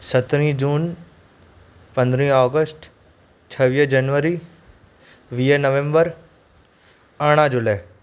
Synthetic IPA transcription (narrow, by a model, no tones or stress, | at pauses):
sɐt̪ɾ̃ĩd͡ʒuːn | pɐ̃nd̪ɾĩɔːɡəsʈ | t͡ʃʰɐʋiːɦd͡ʒɐnʋəɾi | ʋiːənəʋẽmbəɾ | aɽ̃ad͡ʒʊləː